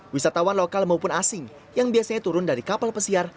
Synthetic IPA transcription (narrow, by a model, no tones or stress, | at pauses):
wisat̪awanlokalmaupʊnasɪŋ | jaŋbiasaɲat̪uɾʊndaɾikapalpəsiar